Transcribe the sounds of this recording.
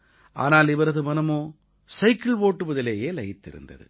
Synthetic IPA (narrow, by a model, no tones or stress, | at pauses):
ʔa̰ːnaːlɪʋɐɾɐðɯmɐnɐmoː | sɐɪkːɪɭpoːʈːɯʋɐðɪleːjeːlɐjɪt̪ːɪ̰ɾɯ̰nd̪ɐ̰ðɯ̰